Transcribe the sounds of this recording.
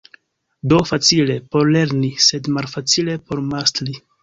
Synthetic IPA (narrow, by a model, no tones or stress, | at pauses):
do̞fat͡sile̞po̞ɾle̞ɾnise̞dmalfat͡sile̞po̞ɾmastɾi